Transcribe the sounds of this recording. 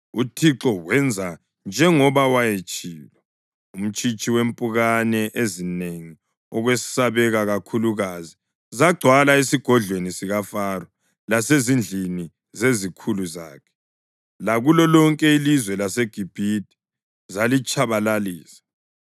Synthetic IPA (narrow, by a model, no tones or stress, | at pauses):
utʰiǁɔwɛnd͡zʱa | nd͡ʒʱɛŋɔβawajet͡ʃʼiːlɛ | um̩t͡ʃʼit͡ʃʼiwempʼuɣanɛʔezineŋi | ɔɣwesi̥saβɛɣaɣakʰuluɣazi | zaɡ͡ǀʱwalaesiɡ̥ʱɔɮʱwenisiɣafarɔ | lasezind͡ɮʱini | zezikʰuluza̰ːkʰɛ̥ | laɣulɔlɔŋkʼɛilizwɛlaseɡ̥ʱib̥ʱid̚ʼi̥ | zalit͡ʃʼʰaβalaliːsḁ